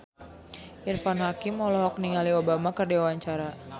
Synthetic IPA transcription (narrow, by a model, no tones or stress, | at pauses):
ʔirfanɦakimɔlɔɦɔk̚niŋaliobamakərdiawaɲt͡ʃaɾa